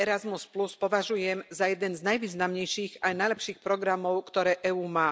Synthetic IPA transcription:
ɛɾazmuspluspɔʋaʒujɛmzajɛd̪ɛnznajʋiːznamɲɛjʃiːɣajnajlɛpʃiːxpɾɔɡɾamɔʊkt̪ɔɾɛːʔɛuːmaː

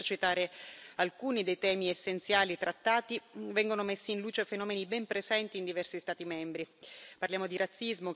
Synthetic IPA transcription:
t͡ʃit̪aːɾealkuːnid̪ejt̪ɛːmiesːent̪sjaːlit̪ɾat̪ːaːt̪ivɛŋɡonomesːiːnluːt͡ʃefenɔːmenibɛmpɾezɛnt̪iːnd̪ivɛrsist̪aːt̪imɛmbɾiparljaːmod̪iɾʔat̪sːizmo

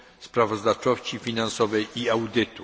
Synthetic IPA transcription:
spɾavɔzd̪aft͡ʂɔɕt͡ɕifʲinansɔvɛjiawd̪ɘt̪u

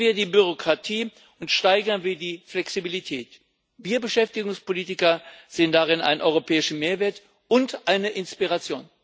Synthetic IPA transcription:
viːɐdiːbyʁ̞okʁ̥atʰiː | ʊntʃtaɪɡɐnviːɐdiːflɛksibilitʰɛːt | viːɐbəʃɛftɪɡʊŋspoliːtɪkɐz̥eːəndaʁɪna̰ɪnʔɔʏʁopʰɛːɪʃn̩meːɐveːɐt | ʔʊntʔaɪnəʔɪnspiʁat͡sjoːn

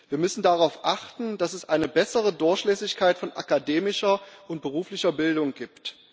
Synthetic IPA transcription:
v̥iːɐmʏsn̩daʁaʊfʔaχtn̩d̥asɛsʔa̰ɪnəbɛsəʁ̞ədʊɐçʃlɛːsɪçkʰaɪtfɔnʔa̰kadeːmɪʃɐʔʊnt̚b̥əʁ̞uːflɪçɐbɪldʊŋɡiːpt

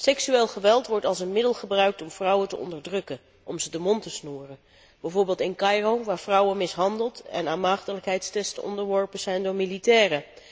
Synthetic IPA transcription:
sɛksyeːlˠχəʋɛlˠtʋɔɹtɑlˠsənmɪdəlˠχəbrœɥk̚tɔmv̥rʌwətəʔɔ̰ndəɹdrɵkən | ʔɔmzədəmɔntəsnuːrən | b̥ɛjvoːɹbɪːlˠtɪnkɑjroʋaːɹvrʌwənmɪsɦɑndəlˠtɛ̰naːnmaːχtələkɦɛjtstɛstənɔ̰ndəɹʋɔɹpənz̥ɛjndʊːɹmilitɛːrə

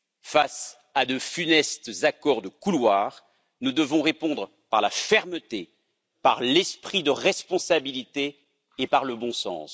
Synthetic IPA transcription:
fas | ad̪əfynɛst̪zakɔʁd̪əkulwaːʁ | nud̪əvɔ̃ʁepɔ̃d̪ʁə | pa̰ʁlafɛʁmət̪e | paʁlɛspχid̪əʁɛspɔ̃sabilit̪eː | paʁləbɔ̃sɑ̰̃s

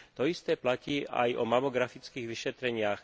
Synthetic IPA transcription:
t̪ɔist̪ɛːplaciːʔa̰jɔ̰mamɔɡɾafit͡skiːɣʋiʃɛt̪ɾɛɲɪax

